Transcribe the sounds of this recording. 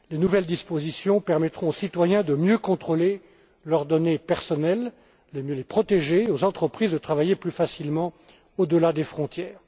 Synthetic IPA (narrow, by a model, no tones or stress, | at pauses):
lenuvɛld̪ispozisjɔ̃pɛʁmɛt̪χɔ̃osit̪wajɛ̃d̪əmjøkɔ̃t̪χole | lœʁd̪ɔnepɛʁsɔnɛlː | emjølepχɔt̪eʒeozɑ̃t̪χəpχizd̪ət̪χavajeplyfasilmɑ̃ | od̪əlad̪efχɔ̃t̪jɛːʁ